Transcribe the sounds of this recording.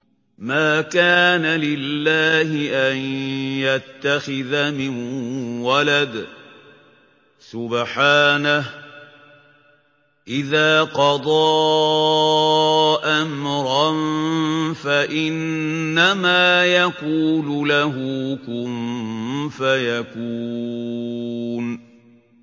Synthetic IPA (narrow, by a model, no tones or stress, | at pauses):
maːkaːnalɪlːaːɦɪʔanjat̪ːaxɪðamɪnwalad̪ | sʊbħaːnah | ʔɪðaːqɑd̪ˤɑː | ʔamɾˤɑn | faʔɪnːamaːjakuːlʊlaɦʊkʊm | fajakuː | n